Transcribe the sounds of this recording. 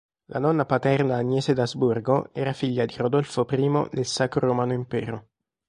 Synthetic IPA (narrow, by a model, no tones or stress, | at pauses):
lʔa̰nɔnːapat̪ɛrnaːnːjɛːsed̪azburɡoɛːɾafiʎːad̪iɾod̪ɔlfopɾiːmo̰d̪elsakɾoɾomaːnoimpɛːɾo